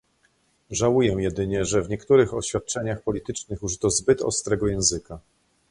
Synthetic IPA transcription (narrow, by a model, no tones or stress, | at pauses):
ʐawujɛ̃jɛd̪ɘɲɛʐɛvɲɛkt̪uɾɘxɔɕfʲat̪̚t͡ʂɛɲaxpɔlʲit̪ɘt͡ʂnɘxuʐɘt̪ɔzbɘt̪ɔ̰st̪ɾɛɡɔjɛ̃w̃zɘka